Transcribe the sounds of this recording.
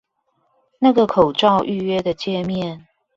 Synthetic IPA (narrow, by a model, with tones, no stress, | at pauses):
na˥˩ɡə˨kʰo˨˩ʊʈ͡ʂɑ˥˧ʊʔy˥˧ɥɛ˦˥d̪ə˨t͡ɕjɛ˥˧mjɛ˥˨n